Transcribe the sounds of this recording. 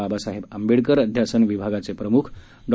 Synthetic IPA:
abasaɦebəmbiɽkəɾəd̪ʱjasənʋibʱaɡat͡sepɾəmukʰ | ɖ

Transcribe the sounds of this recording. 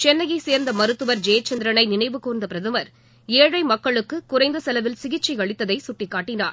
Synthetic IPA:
t͡ʃɛnːɐjɐɪseːɾnd̪ɐmɐɾɯt̪ːɯʋɐɾd͡ʒeːɐt͡ʃːɐnd̪ɾɐnɐɪnɪnɐɪʋɯkuːɾnd̪ɐpɪɾɐðɯmɐɾ | eːɻɐɪmɐkːɐɭɯkːɯkʊɾɐɪnd̪ɐsɐlɐʋɪlsɪɣɪt͡ʃːiɐɭɪt̪ːɐðɐɪsʊʈːɪkːaːʈːɪnaːɾ

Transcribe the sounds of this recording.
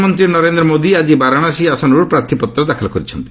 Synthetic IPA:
mɔnt̪ɾiɾnɔɾend̪ɾɔmod̪iad͡ʒibaɾaɽ̃asiasɔnɾuɾpɾaɾt̪ʰipɔt̪ːɾɔd̪akʰalɔkɔɾit͡ʃʰɔnt̪i̥

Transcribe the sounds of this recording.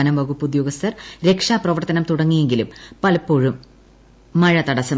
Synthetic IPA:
ɐnɐmʋɐɣupːud̪joːɣɡɐst̪ɐrɾe̞kʂaːprɐʋɐrt̪ɐnɐmt̪uɽɐŋːije̞ŋɡilumpɐlɐpːoːɻumː | ɐɻɐt̪ɐɽɐsɐ

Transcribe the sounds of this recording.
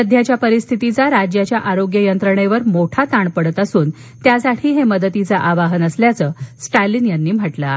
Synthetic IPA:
əd̪ʱjat͡ɕjapəɾist̪ʰit̪it͡saɾad͡ʑjat͡ɕjaʔaɾoɡjəjənt̪ɾəɳeʋəɾmoʈʰat̪aɳpəɽət̪əsuːn | t̪jasaʈʰiːɦeməd̪ət̪it͡saʔaʋaɦənəsljat͡səːsʈajlinjanːiːm̤əʈla

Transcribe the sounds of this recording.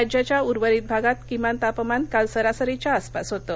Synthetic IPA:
ad͡ʑjat͡ɕjauɾʋəɾit̪̚bʱaɡat̪kimant̪apəmankalsəɾasəɾet͡ɕjaəspasɦot̪ə

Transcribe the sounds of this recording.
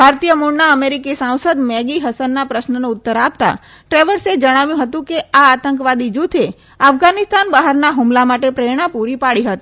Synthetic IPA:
bʱaɾt̪ijəmuɾnaəmeɾikisãw̃səd̪mɛɡiɦəsənːapɾəʃnəneʊt̪ːəɾapt̪a̰ | ʈɾeʋəɾsed͡ʒəɽ̃aʋjũɦət̪ũkeaːt̪ə̃ŋkʋad̪id͡ʒut̪ʰe | afɡanɪst̪anbaɦəɾnaɦumlamaʈepɾeɽ̃apuɾipaɽiɦət̪i

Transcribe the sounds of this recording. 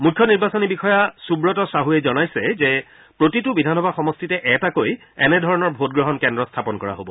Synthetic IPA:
mukʰːjɔniɹbasɔnibixɔjasubɹɔtɔsaɦuɛzɔnajsɛzɛ | pɹotitʊbidʱanɔbʱaxɔmɔstitɛʔɛtakoj | ɛnɛdʱɔɹɔnɔɹbʱot̚ɡɹɔɦɔnkɛndɹɔstʰapɔnkɔɹa̰ɦobɔ

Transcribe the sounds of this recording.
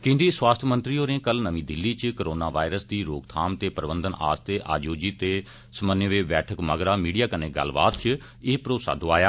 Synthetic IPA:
kɪ̃nd̪iːswaːst̪ʰmə̃nt̪ɾiːoːɾẽːkəlnəmĩːd̪ɪlːiːt͡ʃkəɾoːnaːʋa̰ːɪɾəsd̪iːɾoːɡt̪ʰaːmt̪eːpəɾbənd̪əna̰ːst̪eːʔa̰ːd͡ʒoːd͡ʒiːt̪eː | səmənjəʋeːbɛːʈʰəkməɡɾaːmiːɖijaːkəneːɡə̰lːba̰ːt̪t͡ʃ | eːpɾoːsa̰ːd̪oːaːjaː

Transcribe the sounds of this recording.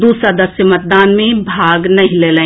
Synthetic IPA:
d̪uːsɾad̪ɐsjəmɐt̪̚d̪aːnmẽbʱaːɡnɐɦĩleːlẽː

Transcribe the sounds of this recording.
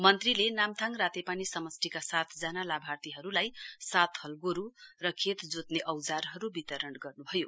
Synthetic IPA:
mʌnt̪rilenamt̪ʰaŋrat̪epanisʌmʌsʈʰikasat̪ʰd͡zanalabʱart̪iɦʌɾulajsat̪ʰhʌlɡoɾurʌkʰet̪d͡zot̪neʔʌwd͡zarɦʌɾubit̪ʌɾʌnɡʌrnubʱʌjo

